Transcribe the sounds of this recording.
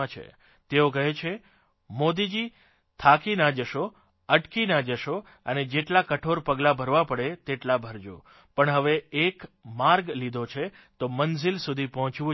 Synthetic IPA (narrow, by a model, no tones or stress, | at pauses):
at͡ʃʰḛ | t̪eokəɦet͡ʃʰe | mod̪id͡ʒi | t̪ʰakinad͡ʒəʃo | əʈkinad͡ʒəʃo | əned͡ʒeʈlakəʈʰoɾpəɡlabʱəɾʋapəɽet̪eʈlabʱəɾd͡ʒṵ̃ | pəɳɦəʋeːkmaɾɡlid̪ʱot͡ʃʰe | t̪omənzilsud̪ʱipɔɦɔ̃t͡ʃʋũ